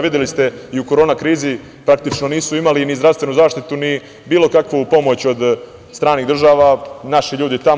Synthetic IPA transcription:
ʋid̪jelist̪e̞iuko̞ɾo̞ːnakɾiːzi | pɾakt̪it͡ʃno̞niːsuimalinizd̪ɾaʋst̪ʋe̞nuzaːʃt̪it̪uni | biːlo̞kakʋopo̞mo̞t͡ɕo̞d̪ | st̪ɾaːniːɣd̪r̩ʒaːʋanaʃiʎuːd̪it̪a

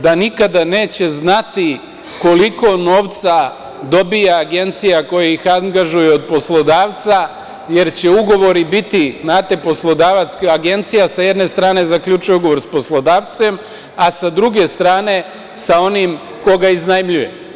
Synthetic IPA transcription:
d̪anikad̪ane̞ːt͡ɕe̞znat̪i | ko̞liko̞no̞ːʋt̪sa | d̪o̞bijaːɡe̞nt̪sijako̞jaixaŋɡaʒujeo̞d̪̚po̞slˠo̞d̪aːʋt̪sa | je̞ɾt͡ɕe̞uɡo̞ʋo̞ɾibit̪inaːt̪e̞po̞slˠo̞d̪aːʋat̪skaɡe̞nt̪sijasajed̪ne̞st̪ɾaːne̞zakʎut͡ʃujuɡo̞ʋo̞ɾspo̞slˠo̞d̪aːʋt̪se̞m | asad̪ɾuɡe̞st̪ɾaːne̞ | sao̞nim | ko̞ɡaiznajmʎuje

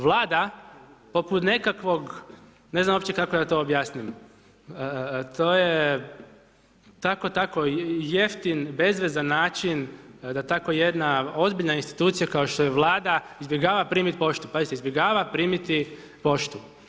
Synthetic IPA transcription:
ʋlˠaːd̪apo̞put̪ne̞kakʋo̞ɡ | neznamo̞pt͡ʃekako̞jaːt̪o̞ːbjaːsnim | t̪o̞ːje | t̪ako̞t̪ako̞je̞ft̪inbe̞zʋezanːaːt͡ʃind̪at̪akoje̞d̪nao̞zbiʎnainst̪i̥t̪uːt̪sijakao̞ʃt̪o̞jeʋlˠaːd̪aizbʲjeɡaːʋapɾiːmit̪ipo̞ʃt̪upazit̪eizbʲje̞ɡaːʋapɾiːmit̪i | po̞ʃt̪u

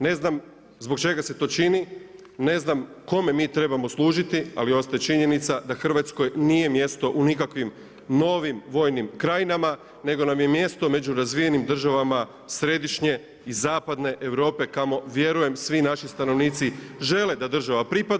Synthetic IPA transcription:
ne̞znam | zbo̞kt͡ʃe̞ɡase̞t̪o̞ːt͡ʃini | ne̞znamko̞me̞miːt̪ɾe̞bamo̞slˠuːʒit̪ia̰lio̞st̪ajet͡ʃiɲe̞nit̪sad̪axr̩ʋat̪sko̞jniːje̞mje̞st̪o̞ʔunikakʋim | no̞ʋimʋo̞ːjnimkɾajinama | ne̞ɡo̞namje̞mje̞st̪o̞me̞d͡ʑuɾazʋije̞nimd̪r̩ʒaʋama | sɾe̞d̪iʃɲe̞ | izaːpad̪ne̞ʔeʋɾo̞ːpe̞kamo̞ʋje̞ɾuje̞msʋinaʃist̪ano̞ʋniːt̪siʒe̞le̞d̪ad̪r̩ʒaʋapɾipad̪

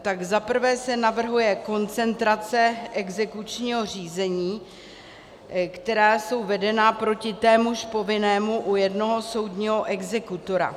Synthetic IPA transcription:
t̪aɡzapr̩vɛːsɛnavr̩ɦujɛko̞nt͡sɛnt̪ɾat͡sɛʔɛɡzɛkut͡ʃɲiːɦo̞r̝iːzɛɲiː | kt̪ɛɾaːso̞wvɛdɛnapɾo̞cɪt̪ɛːmuʃpo̞vɪnɛːmuʔujɛdno̞ɦo̞so̞wdɲiːɦo̞ʔɛɡzɛkut̪o̞ɾa̰

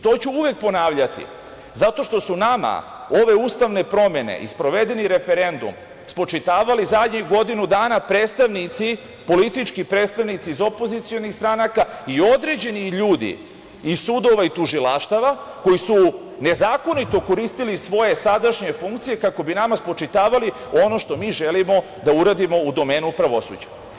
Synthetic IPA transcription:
t̪o̞ːt͡ɕuuʋe̞k̚po̞naːʋʎat̪ḭ | zat̪o̞ʃt̪o̞sunama̰ | o̞ʋe̞ust̪aʋne̞pɾo̞me̞ne̞̰ʔḭspɾo̞ʋe̞d̪e̞niɾe̞fe̞ɾe̞nd̪ṵm | spo̞t͡ʃit̪aːʋalizad̪ɲiɡo̞d̪inud̪aːnapɾe̞ːt̪st̪aʋnit̪si | po̞lit̪it͡ʃkipɾe̞ːt̪st̪aʋnit̪siːzo̞po̞zit̪sijo̞nixst̪ɾanakaio̞d̪ɾe̞d͡ʑe̞niʎuːd̪ḭː | suːd̪o̞ʋait̪uʒilaʃt̪aʋa | ko̞jisu | ne̞zaːko̞nit̪o̞ko̞ɾiːst̪ilisʋo̞je̞sad̪aʃɲe̞fuŋkt̪sije̞kako̞binamaspɾo̞t͡ʃit̪aːʋali | o̞no̞ʃt̪o̞miːʒelimo̞ | d̪auɾad̪imo̞ud̪o̞me̞ːnupɾaʋo̞sṵd͡ʑa

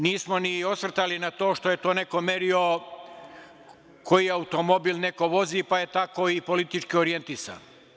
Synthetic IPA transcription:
niːsmo̞nio̞sʋr̩t̪alinat̪o̞ːʃt̪o̞je̞t̪o̞ːne̞ko̞me̞ɾio̞ | kʰojiaut̪o̞mo̞bilne̞ko̞ʋo̞zipaje̞t̪ako̞ipo̞lit̪it͡ʃkioɾie̞nt̪isa̰n

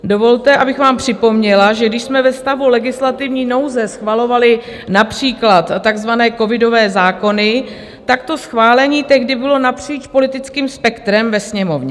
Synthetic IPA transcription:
do̞vo̞lt̪ɛʔabɪxvaːmpr̝̥ɪpo̞mɲɛlaʒɛɡdɪʃsmɛvɛst̪avulɛɡɪslat̪ɪvɲiːno̞wzɛsxvalo̞valɪ | napr̝̥iːklat̪ːaɡzvanɛːko̞vɪdo̞vɛːzaːko̞nɪ | t̪akt̪o̞sxvaːlɛɲiːt̪ɛɣdɪbɪlo̞napr̝̥iːt͡ʃpo̞lɪt̪ɪt͡skiːmspɛkt̪ɾɛmvɛsɲɛmo̞vɲɛ

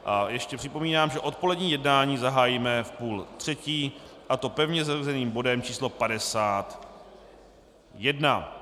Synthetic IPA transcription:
ʔajɛʃcɛpr̥ɪpo̞miːnaːmʒɛʔo̞t̪̚po̞lɛdɲiːjɛdnaːɲiːzaɦaːjiːmɛfpuːlt̪r̥ɛciːʔat̪o̞pɛvɲɛzaruzɛniːmbo̞dɛmt͡ʃiːslo̞padɛsaːt̪ | jɛdna

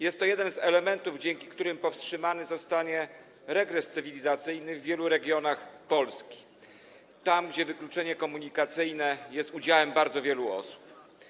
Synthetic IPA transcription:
jɛst̪ːɔjɛd̪ɛnzɛlɛmɛnt̪uvd͡ʑɛŋkʲi̥kt̪uɾɘmpɔfstʂɘmanɘzɔst̪aɲɛ | ɾɛɡɾɛst̪sɘvʲilʲizat̪sɘjnɘvːʲjɛluɾɛɡʲjɔnaxpɔlskʲi̥ | t̪amɡd͡ʑɛvɘklut͡ʂɛɲɛkɔmuɲikat̪sɘjnɛjɛst̪ud͡ʑawɛmbaɾd̪zɔvʲjɛluɔ̰su̥p

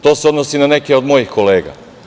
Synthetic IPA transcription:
t̪o̞ːseo̞d̪nosinane̞keo̞d̪mo̞jixko̞le̞ːɡa̰

